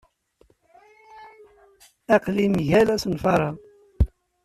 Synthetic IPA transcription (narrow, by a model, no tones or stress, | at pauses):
æqlimʝælæsnfɑɾˤɑ